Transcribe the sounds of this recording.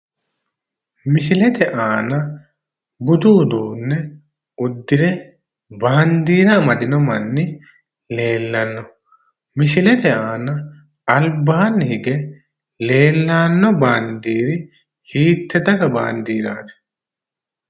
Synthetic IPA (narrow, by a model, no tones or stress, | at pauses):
mɪsɪlɛt̪ʰɛʔaːnɐ | bʊd̪uːd̪oːnːɛ | ʊd̪ːɪɾɛ | baːnd̪iːɾɐmɐd̪ɪnɔmɐnːɪ | le̞ːlːɐnːɔ | mɪsɪlɛt̪ɛaːnɐ | ɐlbaːɐnːɪhɪɡɛ | le̞ːlːaːnːɔbaːnd̪iːɾɪ | hiːt̪ːɛd̪ɐɡɐba̰ːnd̪iːɾa̰ːt̪ɛ̥